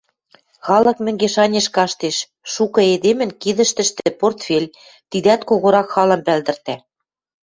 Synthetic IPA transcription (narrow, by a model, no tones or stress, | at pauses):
xɑlɤ̆kmɘ̆ŋɡeʃɑnʲeʃkɑʃt̪eʃ | ʃukɤ̆ed̪emɘ̆nkid̪ɘ̆ʃt̪ɘ̆ʃt̪ɘ̆port̪fʲelʲ | t̪id̪æt̪koɣoɾɑkxɑlɤ̆mpæld̪ɘ̆rt̪æ